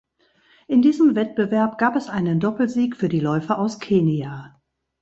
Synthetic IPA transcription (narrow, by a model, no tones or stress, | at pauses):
ʔɪndiːzəmvɛt̚b̥əvɛɐpɡ̥aːpɛsʔaɪnəndɔpl̩ziːkfyːɐdiːlɔʏfɐʔaʊskʰeːniaː